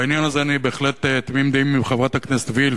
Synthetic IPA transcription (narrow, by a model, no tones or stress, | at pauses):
ainjanazeanibeexlet̪t̪mimd̪eimːibχevʁat̪hakneset̪vil